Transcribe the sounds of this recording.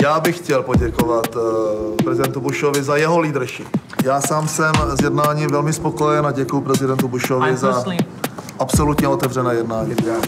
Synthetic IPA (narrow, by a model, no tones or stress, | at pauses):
jaːbɪxcɛlpo̞ɟɛkovat̪pɾɛzɪdɛnt̪ubuʃovɪzajɛɦo̞liːd̪ɾ̩ʃɪ | jaːsaːmsɛmzjɛdnaːɲiːmvɛlmɪspo̞ko̞jɛnaɟɛkujʊpɾɛzɪdɛnt̪ubuʃovɪza | ʔapso̞lut̪ɲɛo̞t̪ɛvrɛnɛːjɛdnaːɲi